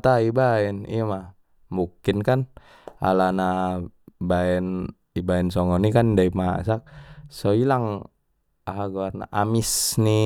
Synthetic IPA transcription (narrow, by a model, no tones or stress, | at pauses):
t̪aibaɛnḭama | mukinkan | a̰lana | baɛn | ibaɛnsɔŋɔnikandaima̰sak̚sɔilaŋ | aɦaɡuarna̰ʔamisni